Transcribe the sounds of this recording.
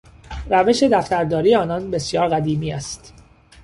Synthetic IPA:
ræve̞ʃe̞d̪æft̪æɾd̪ɒːɾiːjeɒːnɒnbe̞sjɒːɾɣæd̪iːmiːæst̪

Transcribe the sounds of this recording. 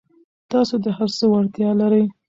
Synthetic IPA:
t̪ɑsod̪əhaɾsəwaɾt̪jɑlaɾəj

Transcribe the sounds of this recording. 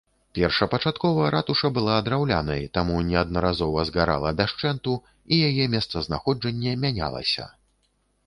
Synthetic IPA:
pʲɛrʂɐpɐt͡ʂat̪kɔvɐɾat̪uʂɐbɨlˠaːd̪ɾawlʲa̰nɐjt̪amunʲɛɐd̪̚nɐɾazɔvɐzɣaɾa̰lˠɐd̪aʂt͡ʂɛnt̪u | ijajɛmʲɛst̪sɐzna̰xɔd͡ʐɐnʲːɛmʲanʲa̰lˠɐ̰sʲɐ̰

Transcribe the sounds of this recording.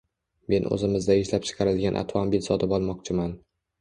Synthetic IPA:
me̞nʔɵ̰zɪmɪzd̪aeʃlap̚t͡ʃʰɨ̥qʰɑɾɪlɡʲanʔa̰t̪ʰvɒmbɪlsɒt̪ʰɪpɒlˠmɒq̚t͡ʃʰɪman

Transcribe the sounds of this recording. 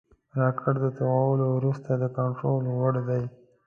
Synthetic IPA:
ɾɑkʰəɽd̪ət̪awɑwəlowɾust̪ad̪əkaɳʈɾolwaɽd̪aj

